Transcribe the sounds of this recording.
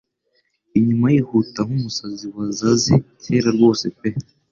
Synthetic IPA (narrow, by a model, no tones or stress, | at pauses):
iɲumajihutamumusaziwazazitʰeɾaɾɡo̞ːsepe